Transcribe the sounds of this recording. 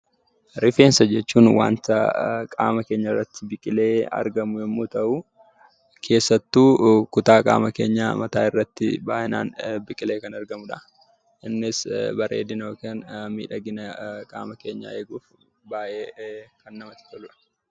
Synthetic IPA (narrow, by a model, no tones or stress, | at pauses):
ɾɪfe̞ːnsɐd͡ʒɛt͡ʃːuːnwa̰ːnt̪ɐkʼa̰ːmɐke̞ːɲːɐɪrːɐt̪ːɪbɪkʼɪle̞ːɐ̰ɾɡɐmʊjɛmːoːt̪ɐʔu | kʰe̞ːsːɐt̪ːuːkʊt̪aːkʼa̰ːmɐke̞ːɲːa̰ːmɐt̪aːɪrːɐt̪ːɪ̰baːʔɪna̰ːnbɪkʼɪleːkɐnɐɾɡɐmʊᶑɐ | ʔɪnːɪsbɐɾʔḛːd̪ɪnoːkeːnmḭːᶑɐɡɪnɐkʼa̰ːmɐke̞ːɲːa̰ːeːɡuːf | baːʔeːkɐnːɐmɐt̪ɪ̥t̪ɔlʊᶑɐ̥